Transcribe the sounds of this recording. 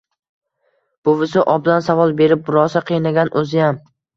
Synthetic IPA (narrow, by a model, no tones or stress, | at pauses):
b̥ʊvɪsɪʔɒbd̪ansavɒlˠbe̞ɾɪp̚bʊɾɒsaqʰɨjnaɡʲanʔɵzɪjam